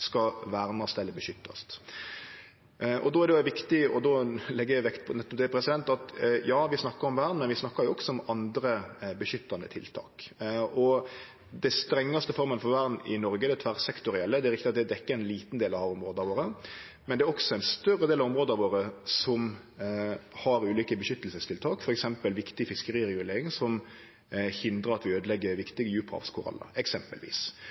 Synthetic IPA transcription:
skɑʋæːɾnɑst̪ɛlːəɾbəʃʏt̪ːɑ̰st̪ | ʔɔ̰d̪oːæɾd̪ɛjʊʋɪkt̪ɪɔ̰d̪oːlɛɡːəjæɪʋɛkt̪pʰnɛt̪ːɔp̚d̪ɛpʰɾɛsɪd̪ɛnt̪ɑt̪jɑːʋɪsnɑkːəɾɔmʋæːɾnmɛnʋɪsnɑkːɑɾjʊɔksɔɔmɑnd̪ɾəbəʃʏt̪ːɑnd̪ə̰t̪ʰɪ̰lt̪ʰɑ̰ːkɔ | d̪ɛst̪ɾɛŋːɑst̪əfɔɾmənfɔɾʋæɾnɪnɔɾɡəd̪ɛt̪ʰʋæʁsɛkt̪ʊɾɪɛlːəd̪ɛæɾɪkt̪ɪɑt̪̚d̪ɛd̪ɛkːəɛnliːt̪n̩d̪eːlɑʋɔmɾoːd̪əɑʋoːɾə | mɛnd̪ɛæːɾɔksɔɛnst̪œɾəd̪eːlɑʋɔmɾoːd̪ɑʋoːɾəsɔm | hɑɾʉːliːkəbəʃʏt̪ːəlsəst̪ʰɪlt̪ʰɑːkfɔɾɛksɛmpəlʋɪkt̪ɪfɪskəɾiːʁɛɡʉleːɾɪŋsɔm | hɪnd̪ɾʁəɾɑt̪ʋɪøːd̪əlɛɡːəɾʋɪkt̪ɪɡəjʉːpʰʁɑ̰fskʰʊɾɑ̰lːə̰ɛksɛmpə̰lʋḭːs

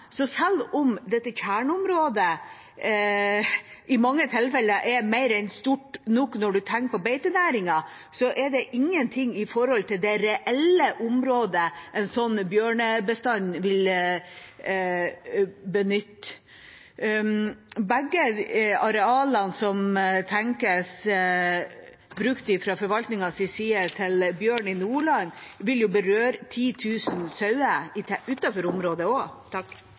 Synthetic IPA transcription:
sɔsɛlʊmd̪ɛt̪ːəçæːɳʊmɾoːd̪ə | ʔɪmɑŋːət̪ʰɪlːfɛlːəʔɛɾmɛɪɾɛɪnst̪uʈnɔknɔɖʉt̪ʰæŋkəpɔbeɪt̪ənæːɾɪŋɑ | sɔʔɛɖɛʔɪŋːənt̪ʰɪŋːɪfɔɾhɔlt̪ʰɪld̪ɛɾɛʔɛləʔʊmɾoːd̪əʔɛnsɔnːbjøːɳəbəst̪ɑnʋɪl | bənʏt̪ː | bæɡːəɑɾɛɑːlɑnsɔmt̪ʰæŋkəs | bɾʉkt̪ɪfɾɑfɔɾʋɑlt̪nɪŋɑsɪsiːət̪ʰɪlbjøːɳɪnuːɭɑnʋɪljʊbəɾøːɾt̪ʰiːt̪ʰʉːsnsœʉəɪʔʉːt̪ɑfɔɾʊmɾoːd̪əot̪

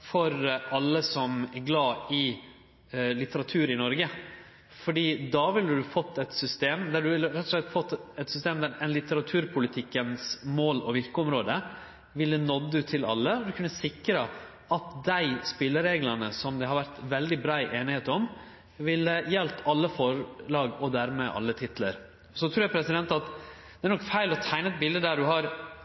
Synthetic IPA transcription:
fɔɾʔɑlːəsɔmæɡlɑːɪ | lɪt̪əɾɑt̪ʰʉːɾɪnɔɾɡə | fɔɖiːd̪ɑːʋɪlːəd̪ʉfɔt̪ːɛt̪sʏst̪eːmd̪æɖʉɪlːəɾɛt̪ːɔʂlɛt̪ːfɔt̪ːɛt̪sʏst̪eːmd̪æɾɛnlɪt̪əɾɑt̪ʰʉːɾpʰʊlɪt̪ʰɪkːənsmoːlɔʋɪɾkəɔmɾoːd̪ə | ʋɪlːənɔd̪ːʉt̪ʰɪlɑ̰lːəɔd̪ʉkʰʉnːəsɪkɾɑ | ʔɑt̪d̪æɪspɪlːəɾeːɡlɑnəsɔmd̪ɛhɑɾʋæɾt̪ʋɛld̪ɪbɾɑːɪʔeːnɪheːt̪ɔm | ʋɪlːəjɛlt̪ɑlːəfɔɭɑːɡɔd̪æɾmɛʔɑ̰lːət̪ʰɪt̪lə̰ɾ | ɔsɔt̪ʰɾʉːɾjæpʰɾɛsɪd̪ɛnt̪ɑt̪ | d̪ɛæɾnɔkfæɪlɔt̪ʰæɪnəɛt̪̚bɪld̪əd̪æɖʉɦɑɾ

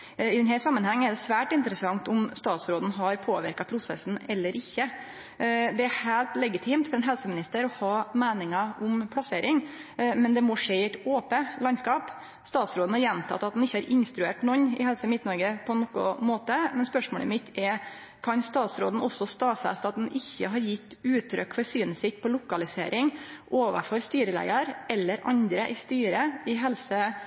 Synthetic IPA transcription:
ɪd̪ɛnhæsɑmːənhɛŋːɛɖ̪ɛsʋæːʈɪnt̪əɾəsɑŋt̪ʊmst̪ɑːt̪sɾoːd̪n̩ɦɑɾpʰoːʋɪ̰ɾkɑpʰɾʊsɛ̰sn̩ɛlːəɾʔɪçːə | d̪ɛæhæːlt̪lɛɡɪt̪ʰɪːmt̪fɔɾɛnɦɛlsəmɪnɪst̪əɾɔhɑːmeːnɪŋɑʊmpʰlɑseːɾɪŋ | mɛnd̪ɛmɔʂeɪɛt̪oːpəlɑnskɑːp | st̪ɑːt̪sɾoːd̪n̩hɑɾjɛnt̪ʰɑ̰t̪ːɑt̪d̪ɛnɪçːəhɑɾʔɪnst̪ɾʉeːʈnɔnːɪ̰hɛlsəmɪt̪nɔɾɡəpʰɔɛnːɔkːʊ̰moːt̪əmɛnspœʂmo̰ːlə̰mɪt̪ʰːɛɾ | kʰɑnst̪ɑːt̪sɾo̰ːd̪n̩ɔsːɔst̪ɑːfɛ̰st̪ɑt̪d̪ɛn̩ʔɪçːə̰ɦɑɾjɪt̪ːʉːt̪ʰɾœ̰kːfɔɾsyːnəsɪt̪̚pʰɔlʊkɑlɪsḛːɾʔɪŋʔoːʋə̰fɔɾst̪yːɾəlæ̰ɪɑɾʔɛlːəɾʔɑ̰nd̪ɾəʔɪst̪yːɾəɪɦɛlsə

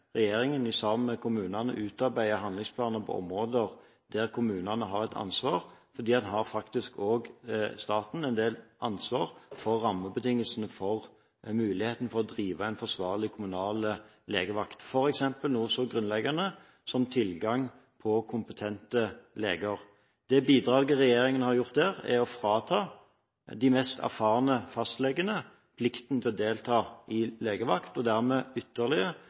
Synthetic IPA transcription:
ʁɛjeːɾɪŋənɪsɑməkʰʊmʉːnɑnə̰ʔʉːt̪ɑɾbæɪəɦɑnd̪lɪŋspʰlɑːnəpʰɔ̰ɔ̰mʁoːd̪əʁ | d̪æʁkʰʊmʉːnɑnəɦɑɾɛt̪ʰɑ̰nsʋɑːʁfɔɾd̪iːɑnɦɑɾfɑkt̪ɪskʰoːɡst̪ɑːt̪n̩ɛnd̪eːlʔɑnsʋɑːʁfɔɾːɑmːəbət̪ɪŋːəlsənəfɔʁ | mʉːlɪheːt̪n̩fɔʁɔd̪ʁiːʋɑæɪnfɔʁsʋɑːʁlɪkʰʊmʉnɑːlɪ | leːɡəʋɑkt̪fɔɾɛksɛmpəlnuːsɔɡɾʉnlɛɡɑnə | sɔmt̪ʰɪlɡɑŋ | pʰɔkʰʊmpət̪ʰɛnt̪əleːɡəʁ | d̪̥ɛbiːd̪ʁɑːɡəʁɛjeːʁɪŋənhɑɾjʊʁt̪̚d̪æːʁɛ̰ɔfɾɑːt̪ʰɑː | d̪ɪmɛst̪ʰæ̰ʁfɑːʁənəfɑst̪lɛɡːənə | pʰlɪkt̪nət̪ʰɛɔd̪eːlt̪ʰɑːɪleːɡəʋɑkt̪ɔd̪æʁmɛʏt̪ːəʁlɪə

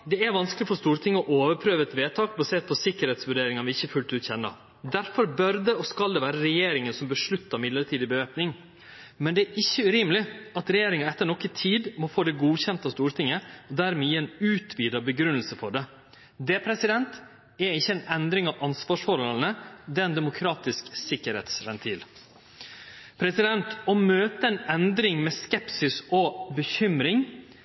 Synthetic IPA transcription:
d̪ɛæɾʋɑnsklɪfɔɾst̪uːɾt̪ʰɪŋːəɔʔoːʋəɾpʰɾøːʋəɛt̪ʋeːt̪ʰɑːkbɑseːɾt̪̚pʰɔsɪkːəɾheːt̪sʋʉɖeːɾɪŋɑnʋɪɪçəfʉlt̪ʉːçɛnːɑ̰ | d̪æɾfɔɾbœɾd̪ɛɔskɑld̪ɛʋæːɾəɾɛjeːɾɪŋənsɔmbəʂɭʉt̪ːəɾmɪd̪ləʈʰiːd̪ɪbəʋeːpnɪŋ | mɛnd̪ɛæɾʔɪçːəʉɾiːməlɪɑt̪ɾɛjeːɾɪŋɑɛt̪ːəɳɔkːət̪ʰiːd̪mɔfoːd̪ɛɡuːçɛnt̪ɑst̪uːɾʈ̪ʰɪŋːəɔd̪æɾmɛjiːɛnʉːt̪ʰʋiːd̪ɑbəɡɾʉnəlsəfɔɖɛ | d̪ɛpʰɾɛsɪd̪ɛnt̪ | ɛɪçːəɛnɛnd̪ɾɪŋɑʋʔɑnsʋɑːʂfɔɾhɔlnəd̪ɛːɛnd̪ɛmʊkʰɾɑːt̪ɪsksɪkːəɾhɛ̰ːt̪sʋɛnt̪ʰiːl | pʰɾɛsɪd̪ɛnt̪ɔmøːt̪əɛnɛnd̪ɾɪŋmɛskɛpsɪsɔbəçʏmɾɪŋ

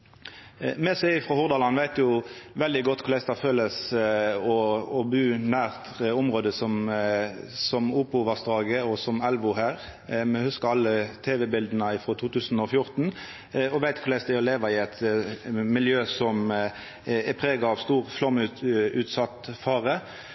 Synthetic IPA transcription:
mɛsæɪɪfʁɔhʊʁd̪ɑːlɑnʋæɪt̪jʊʋɛld̪ɪɡɔt̪ːkʰʊɾlæɪst̪ɑføːləs | ɔɔbʉːnæːʁt̪ʊmʁoːd̪əsɔm | sɔmuːpʊʋɑsd̪ʁɑːɡəɔsɔmɛlʋʊɦæːɾ | mɛhʉskəʁɑlːət̪ʰeːʋɛbɪld̪ənəɪfɾɔːt̪ʰuːt̪ʉːsn̩ɔfjʊʁt̪n̩ | ɔʋæɪt̪kʰʊɾlæɪst̪æɔleːʋɑɪɛt̪ | mɪljøːsɔm | ɛpʰʁeːɡɑɑʋst̪uːʁflɔmʉʉːt̪sɑt̪ːfɑːʁə

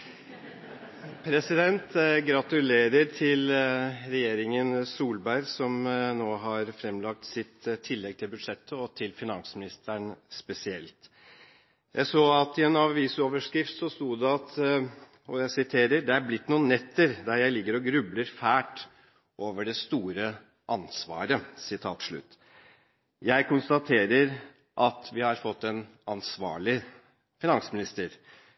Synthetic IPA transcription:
pʰɾɛsɪd̪ɛnt̪ɡɾɑt̪ʉleːɾəɾt̪ʰɪlɾɛjeːɾɪŋənsuːlbæɾsɔmnoːɦɑɾfɾɛmlɑk̚t̪sɪt̪t̪ʰːɪlːɛɡ̚t̪ʰɪlbʉd̪ʂɛt̪ʰːəɔt̪ʰɪlfɪnɑ̰nsəmɪnɪst̪ʰəɳspɛsɪɛ̰lt̪ | jʔæ̰ɪsoːɑt̪ɪɛnɑʋiːsoːʋəʂkɾɪft̪sɔst̪uːd̪ɛɑt̪ | ɔjæɪsɪt̪ʰeːɾəɾɖ̪ɛæɾblɪt̪ːnuːənɛt̪ʰːəɾd̪æɾjæɪlɪɡːəɾɔɡɾʉbləɾfæːʈ | ʔoːʋəɖɛst̪uːɾə | ʔɑnsʋɑ̰ːɾəsɪt̪ʰɑ̰ːt̪ʂɭʉ̰t̪ː | jæɪkʊnst̪ɑt̪ʰeːɾəɾ | ʔɑt̪ʋɪhɑɾfɔt̪ːɛn | ɑnsʋɑ̰ːɭɪə | fɪnɑnsəmɪnɪst̪əɾ

